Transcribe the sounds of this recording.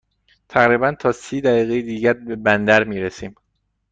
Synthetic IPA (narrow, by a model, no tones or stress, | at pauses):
t̪ʰæɣɾiːbænt̪ʰɒːsiːd̪æɣiːɣejed̪iːɟæɾbe̞bænd̪æɾmiːɾesiːm